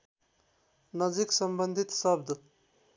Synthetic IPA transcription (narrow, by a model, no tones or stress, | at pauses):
nʌd͡ziksʌmbənd̪ʱit̪sʌb̚d̪ʱ